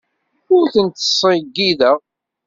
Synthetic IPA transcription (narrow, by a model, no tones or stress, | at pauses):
ʊɾθənt̪ə̥sˤɪɡːiðəʁ